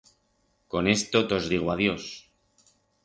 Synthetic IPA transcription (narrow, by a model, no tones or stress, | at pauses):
ko̞ne̞st̪o̞t̪o̞zðiɣ̞waðjo̞s